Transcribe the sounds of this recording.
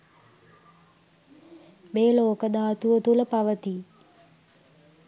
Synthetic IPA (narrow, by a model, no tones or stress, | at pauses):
meːloːkəd̪aːt̪uʋət̪uləpaʋət̪i